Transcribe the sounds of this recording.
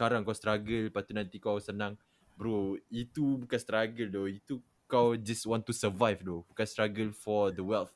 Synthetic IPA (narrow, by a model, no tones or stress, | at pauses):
kaɾaŋkawst̪ɾaɡəlpat̪unãnt̪ikawsənãŋ | bəɾoit̪ubukãnst̪ɾaɡəldoit̪u | kawd͡ʒaswɔ̃nt̪ːusəvajvdobukãnst̪ɾaɡəlfɔd̪əwɛlt